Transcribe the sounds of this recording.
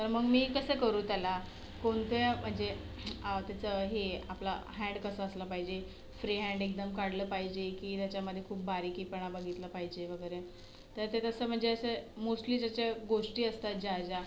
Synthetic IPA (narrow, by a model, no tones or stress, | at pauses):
t̪əɾməɡmiːkəsəkəɾũːt̪ala | koɳt̪jam̤əɳd͡ze | ət̪jat͡səɦea̰pla̰ɦɛ̃ɳɖkəsaːsləpaɦid͡ʑe | fɾiɦɛ̃ɳɖek̚d̪əmkaɽləpaɦid͡ʑekiːt̪jat͡ɕjaməd̪ʱːjekʰuːp̚baɾiːkiːpəɳabaɡit̪ləpaɦid͡ʑeʋəɡəɾe | t̪əɾt̪et̪əsəːm̤əɳd͡zeəsemosʈliːd͡ʑat͡ɕjaɡoʂʈiːəst̪at̪̚d͡ʑad͡ʑa